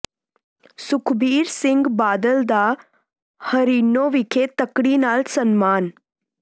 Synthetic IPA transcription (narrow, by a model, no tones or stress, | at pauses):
sukʰbiːɾsiŋɡbaːd̪əld̪a | həɾinːoʋikʰet̪əkɽinalsənmaːn